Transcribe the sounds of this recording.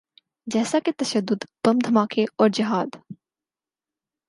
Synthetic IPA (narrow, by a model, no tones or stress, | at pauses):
d͡ʒɛːsaket̪ɐʃəd̪ːʊd̪pɐmd̪ʱɐmaːkʰeɔːɾd͡ʒɐɦaːd̪